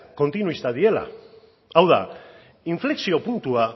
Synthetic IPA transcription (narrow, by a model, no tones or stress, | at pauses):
ko̞nt̪inuist̪að̞ie̞la̰ | awða̰ | iɱfleksio̞punt̪ua